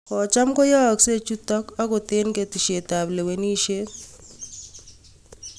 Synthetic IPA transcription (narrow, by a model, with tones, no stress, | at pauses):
kɔ˨t͡ʃa˦mko˦jɔ˦˨kse˦t͡ʃu˦tɔ˦ka˦ko˨t̪e˦nke˨ti˨ʃe˨ta˨ble˨we˨ni˦ʃe˦